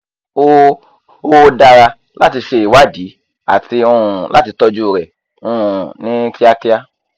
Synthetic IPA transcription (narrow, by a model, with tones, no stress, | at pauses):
o˦ | o˦˧da˧ɾa˧ | la˦ti˧ʃe˧i˨wa˦˨di˨˦ | a̰˨ti˧o˧ũ˨lʔa̰˦ti˧tɔ˧d͡ʒu˦˨ɾɛ˨ | o˧ũ˨nĩ˦ki˦a˧ki˦a˧